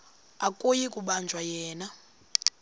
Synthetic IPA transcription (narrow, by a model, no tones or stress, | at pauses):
akʼojikʼuɓand͡ʒʱwajɛːna